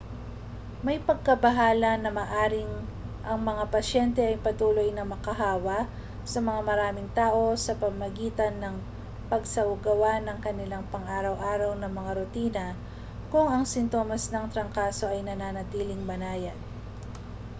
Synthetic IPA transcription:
mɐjpɐɡ̚kɐbɐɦaːlɐnɐmaːʔaːɾɪŋʔɐŋmɐŋapɐʃɛnt̪ɛʔɐjpɐt̪uːlo̞jnɐmɐkɐɦaːwɐ | sɐmɐŋamɐɾaːmɪŋt̪aːʔo̞sɐpɐmmɐɡiːt̪ɐnːɐŋ | pɐɡsɐʊɡɐwanɐŋkɐnɪlaŋpɐŋʔaːɾɐwʔaːɾɐwnɐmɐŋaɾʊt̪iːnɐ | kʊŋɐŋsɪnt̪o̞ːmɐsnɐŋt̪ɾɐŋkaːso̞ʔɐjnɐnaːnɐt̪iːlɪŋbɐnaːjɐd̪̚

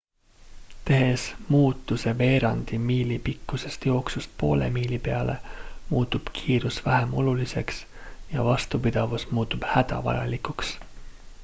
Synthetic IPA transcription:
t̪e̞ɦe̞smuːt̪ːˑuse̞ve̞ːɾɑnd̪̥imiːlipikːuse̞st̪jo̞ːksust̪̚po̞̰ːle̞̰miːlipe̞ɑle̞̰muːt̪ːˑub̥kʰiːɾusvæɦemo̞̰lulise̞ks | jɑvɑst̪upid̪̥ɑvusmuːt̪ːub̥hæd̪̥ɑ̰vɑ̰jɑ̰likuks

